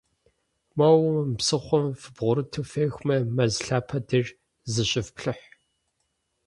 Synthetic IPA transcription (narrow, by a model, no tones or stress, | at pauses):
mɐwʊmpsɨχʷɔmfɨbʁʷʊɾɨtʰɨfeːxʷmɐmɐzɬaːpʰɐdɨr | zɨɕʼɪfpɬɨħ